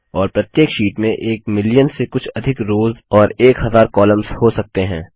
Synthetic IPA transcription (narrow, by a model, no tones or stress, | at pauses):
ɔːɾpɾɐt̪jeːkʃiːʈmẽʔeːkmɪlijənsekʊt͡ʃʰɐd̪ʱɪkɾoːzɔːɾeːkɦɐzaːɾkɔːlə̃mzhosɐk̚t̪eɦɛ̰̃ː